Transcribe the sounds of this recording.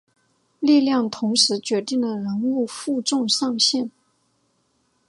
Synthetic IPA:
li˥˧ljɑ˥˩ŋt̪ʰʊ˧˥ŋʂɻ̩˧˥t͡ɕɥɛ˧˥t̪i˥˩ŋlə˩ɻə˧˥nu˥˧fu˥˧ʈ͡ʂʊ˥˧ŋʂɑ˥˧ŋɕɛ˥˩n

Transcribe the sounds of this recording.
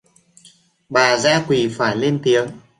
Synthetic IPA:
ɓaː˨˩zaː˧˥kwi˨˩faː˧˩jle˧nt̪i˨˦əŋ

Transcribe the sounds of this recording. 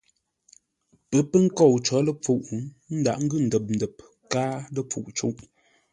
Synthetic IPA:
pə˨˦pə˦ŋ̩˦kɔ˦˨wt͡ʃɔ˨˦lə˦p͡fu˦˨ʔ | n̩˦da̰˨ʔŋ̩˦ɡʉ˦˨n̩˨də˨p̚n̩˨də˨p̚ | kaː˦lə˦p͡fṵ˨ʔt͡ʃṵ˦ʔ

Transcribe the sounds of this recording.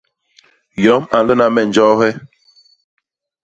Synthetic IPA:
jɔ˨˦ma˨n˨lə˦na˨mɛ˨n̩˨d͡ʒɔ˦ɦɛ˦

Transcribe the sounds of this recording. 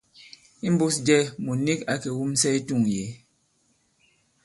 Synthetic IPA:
i˦m˦bu˦sd͡ʒɛ˦˨mu˨ni˦ka˦kɛ˨wu˦m˦sɛ˦i˦tu˦˨ŋje˨˦

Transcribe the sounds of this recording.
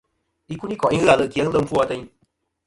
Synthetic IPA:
i˦ku˦ni˦kwa˨ʔĩ˦ɨ˦a˨lə˧˨ki˨ə˦ŋ˦lə˦˧m̩˦fu˦˧a˧t̪ə˧˦ĩ˦

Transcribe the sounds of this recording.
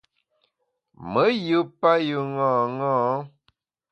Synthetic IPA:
mə˨˦jɨ˦pa˦jɨ˨ŋɔ̃ː˦˨ŋɔ̃ː˦˨˦

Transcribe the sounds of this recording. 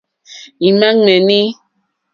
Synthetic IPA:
i˨ma˦ŋ͡me˨ni˦

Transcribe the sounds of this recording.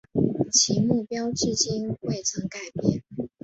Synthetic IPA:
t͡ɕʰi˧˥mu˥˩pjɑ˥ʊt͡ɕi˥˧t͡ɕi˥nxwe˥˩ɪt͡sʰɤ˧˥ŋka˨˩ɪpjɛ˥˩n

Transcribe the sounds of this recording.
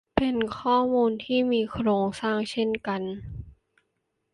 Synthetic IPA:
pe˧nkʰɔː˥˩muː˧nt̪ʰiː˥˩miː˧kʰɾoː˧ŋsaː˥˩ŋt͡ɕʰe˥˩nka˧n

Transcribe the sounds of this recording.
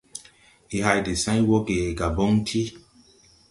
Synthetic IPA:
i˨ɦa˧jde˨sã˦jĩ˦wɔ˦ɡe˨e˨ɡa˨bɔ˦ŋtʰi˦

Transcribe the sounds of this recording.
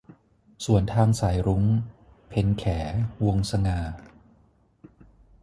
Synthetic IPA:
su˨˩ənt̪ʰaː˧ŋsaː˩˦jɾu˦˥ŋ | pʰe˨˧nkʰɛː˩˦wo˧ŋsa˧ŋaː˧˩

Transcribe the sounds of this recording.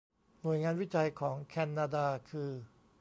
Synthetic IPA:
nu˨˩əjŋaː˧nwi˦˥t͡ɕa˧jkʰɔː˩˦ŋkʰɛ˧nːaː˧daː˧kʰɯː˧

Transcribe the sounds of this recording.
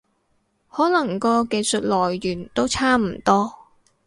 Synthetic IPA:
hɔː˨˥lɐ˨˩ŋkɔː˧ke˧jsɵ˨t̚lɔː˨˩jːyː˨˩nt̪o˥wt͡sʰaː˥m̩˨˩t̪ɔː˥

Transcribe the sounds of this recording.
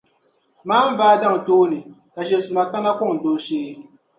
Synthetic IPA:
maː˦m̩˦vaː˦da˦˨ŋ˨toː˦nɨ˨ | ka˨ʃ̬ɛ˨sʊ˨ma˨ka˦na˦kʊ˦˨ŋ̩˨doː˦ʃeː˦

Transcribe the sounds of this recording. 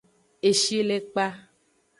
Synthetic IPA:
e˨ʃi˦le˦k͡pa˦

